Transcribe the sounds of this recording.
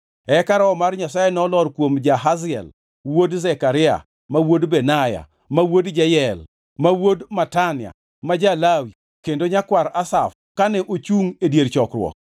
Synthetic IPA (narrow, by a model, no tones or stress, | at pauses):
ɛkaɾaɔmarɲasajɛnɔlɔɾkwomd͡ʒaɦazɪɛ̰l | wodzɛkaɾɪa̰ | mawodbɛnaja̰ | mawodd͡ʒajɛl | mawodmatanɪa̰ | mad͡ʒalawi | kendoɲakwaɾasaf | kanɛʔot͡ʃuŋedjeɾt͡ʃɔkɾwɔ̰k̚